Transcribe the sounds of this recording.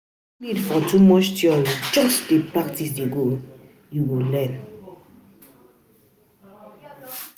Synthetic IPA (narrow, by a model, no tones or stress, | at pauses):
nidfɔtumɔʃtjɔld͡ʒɔsdepɾaktis̬deɡo | iwolɛn